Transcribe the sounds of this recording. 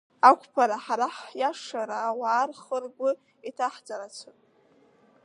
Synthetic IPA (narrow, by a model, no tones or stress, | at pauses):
akʷʰʼpʰaɾaħaɾaħjaʂaɾaːwaːrχərɡʷʊ | itʰaħd͡zaɾat͡sʷʰɨpʼ